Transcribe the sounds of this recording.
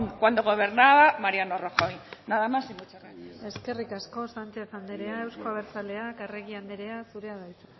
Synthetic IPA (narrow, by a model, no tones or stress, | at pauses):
ŋkwand̪oɣo̞β̞eɾnaβamaɾianoroxojnaðamasiŋɡut͡ʃeranee̞ske̞rikasko̞sant͡ʃe̞fand̪eɾe̞ae̞wskoaβeɾt͡sale̞akere̞ɣiand̪eɾe̞asuɾe̞aðajt͡se̥